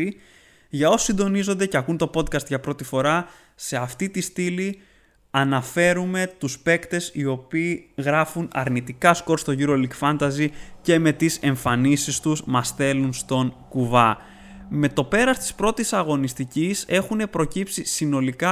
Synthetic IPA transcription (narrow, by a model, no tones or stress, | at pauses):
i | ʝɐo̞sosind̪o̞nizo̞nd̪e̞ceɐkunt̪o̞po̞d̪̚kɐst̪ʝɐpɾo̞t̪ifo̞ɾɐ | se̞ɐft̪it̪ist̪ili | ɐnɐfe̞ɾume̞t̪uspe̞kt̪e̞sio̞piːɣɾɐfunɐ̰ɾnit̪ikɐsko̞ɾst̪o̞ʝiɾo̞likfɐnd̪ɐzice̞me̞t̪ise̞ɱfɐnisist̪uzmɐsθe̞lunst̪o̞ŋkuvɐ | me̞t̪o̞pe̞ɾɐst̪i̥spɾo̞t̪isɐɣo̞nist̪icise̞xune̞pɾo̞cipsisino̞likɐ